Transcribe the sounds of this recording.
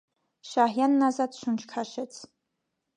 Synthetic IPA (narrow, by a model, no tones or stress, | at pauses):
ʃaːɦjanːazatʰʃʷʊnt͡ʃʰkʰaʃɪt͡sʰ